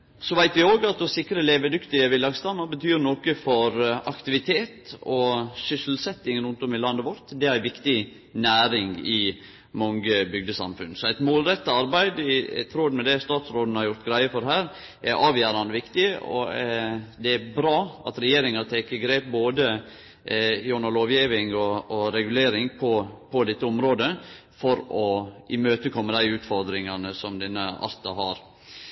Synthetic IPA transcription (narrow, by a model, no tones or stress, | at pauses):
sɔʋæɪt̪ʋɪoːɡɑt̪̚d̪ɔsɪkɾəleːʋəd̪ʉkt̪ɪəʋɪlːɑɡst̪ɑmːɑɾbət̪ʰyːɾnoːkəfɔɾɑkt̪ɪʋɪt̪ʰeːt̪ɔsʏsl̩sɛt̪ːɪŋɾʉnt̪ɔmɪlɑnːəʋɔɾt̪d̪ɛæɾʋɪkt̪ɪ | næːɾɪŋɪ | mɔŋɡəbʏɡd̪əsɑ̰mfʉ̰nsɔæɪt̪moːlɾɛt̪ːəɑɾbæɪd̪ɪ̰t̪ʰɾoːd̪mɛd̪ɛst̪ɑːt̪sɾoːd̪n̩hɑɾjʊɾt̪ɡɾæɪəfɔɾɦæːɾ | ʔɛɾʔɑːʋjæːɾɑnd̪əʋɪkt̪ɪɔ̰ | d̪ɛæbɾɑːɑt̪ɾɛjeːɾɪŋɑt̪ʰekəɡɾeːp̚boːd̪ə | jʊnɑloːʋjiːʋɪŋɔːɾɛɡʉleːɾɪŋpʰɔpʰɔd̪ɛt̪ːəɔmɾoːd̪ə | fɔɾɔɪmøːt̪əkʰɔmːəd̪æɪʉːt̪fɔɾd̪ɾɪŋɑnəsɔmd̪ɛnːəɑ̰lt̪ɑɦɑɾ